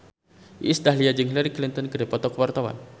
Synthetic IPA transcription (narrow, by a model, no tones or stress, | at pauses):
ʔḭsd̪aɦliad͡ʒəŋɦilaɾiklint̪ɔnkədepɔt̪ɔkəwart̪awa̰n